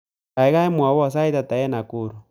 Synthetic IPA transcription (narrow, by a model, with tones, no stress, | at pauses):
ka˨i˨˦ɣa˦ɛ˦mwa˨wɔ˦˨s̬a˦i˦ta˨ta˨jɛ˦na˨ku˨ɾu˨